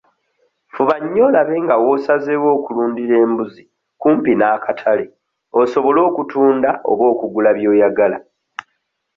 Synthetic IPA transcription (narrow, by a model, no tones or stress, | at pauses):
fuβaɲːo̞laβe̞ŋɡawo̞sazewo̞ːkuluːndiɾe̞ːmbuzi | kuːmpinaːkatʰale̞ | o̞so̞βo̞lo̞ːkutuːndaʔo̞̰βo̞ːkuɡulaβjo̞ːjaɡala̰